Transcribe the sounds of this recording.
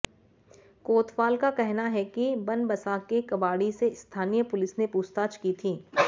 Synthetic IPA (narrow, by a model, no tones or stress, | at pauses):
koːt̪ʰfaːlkakɛɦnaɦɛkibɐnbɐsaːkːekɐbaːɽiseɪst̪ʰaːnijəpʊlɪsnepuːst̪aːt͡ʃkit̪ʰiː